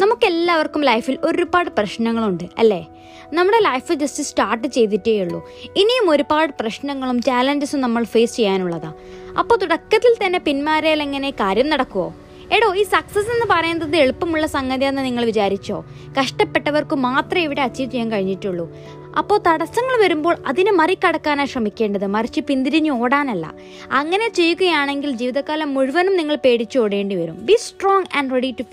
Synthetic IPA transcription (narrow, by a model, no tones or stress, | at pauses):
nɐmukːelːaːʋɐrkːumlɐjfilo̞ɾubaːɽɨprɐɕnɐŋːɐɭuɳɖɨɐ̰lːe̞ː | nɐmːuɽe̞lɐjfɨd͡ʑɐstisʈaːrʈːɨt͡ɕe̞jt̪̬itːeːjuɭːṵ | inijumo̞ɾubaːɽɨprɐɕnɐŋːɐɭumt͡ɕaːlɐɲd͡ʑɐsumnɐmːɐɭfeːst͡ɕe̞jːaːnuɭːɐða̰ː | ɐ̰pːoːt̪uɽɐkːɐt̪ːilt̪ɐnːe̞pinmaːɾejileŋːɐne̞kaːɾjɐmnɐɽɐkːuʋo̞̰ː | eɽoːiːsɐksɐsenːɨpɐrɐjunːɐðɨeɭupːɐmuɭːɐsɐŋɡɐðijenːɨniŋːɐɭʋit͡ɕaːɾit͡ɕːo̞̰ː | kɐʂʈɐpːe̞ʈːɐʋɐrkɨmaːt̪rɐiʋiɽeɐt͡ɕːit͡ɕejaːmkɐɻiɲːiʈːuɭːu | ɐ̰pːo̞ːt̪ɐɽɐsɐŋːɐɭʋɐɾumbo̞ːɭɐðinɨmɐrikʲːɐɽɐkːaːnaːɕrɐmikʲːe̞ːɳɖɐðɨmɐrit͡ɕːɨpind̪iɾiɲːuoːɽaːnɐlːɐ̰ | ɐŋːɐne̞t͡ɕe̞jːuɣɐjaːɳe̞ŋɡild͡ʑiːʋiðɐkːaːlɐmːuɻuʋɐnumniŋːɐɭpe̞ːɽit͡ɕːuoːɽe̞ːɳɖiʋɐɾumbisʈroːŋɡɐɳɖreɽiʈːu